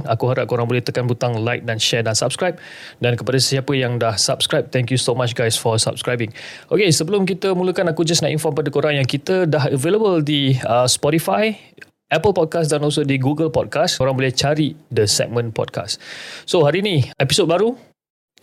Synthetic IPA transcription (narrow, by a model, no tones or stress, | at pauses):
akuɦaɾaʔ̚koɾaŋbolɛht̪əkanbut̪aŋlajk̚danʃɛdansap̚skɹajp̚ | dankəpadasəiapəjaŋdahsap̚skɾajp̚t̪ɛ̃ŋkjusomat͡ʃɡajsfɔsa̰p̚skɾajbɪŋ | okesəbəlʊmk̬it̪əmũləkanakud͡ʒasnaʔinfɔmpadakoɾaŋjaŋkit̪ədaɦəveləbəldiəspɔtifaj | ʔɛpəlpɔd̚kasdanɔls̬odiɡuɡəlpɔd̚kaskoɾaŋbolɛht͡ʃaɾidəsɛ̰k̚mə̃npɔ̰d̚ka̰ssoɦaɾiːnĩɛpisot̚baɾu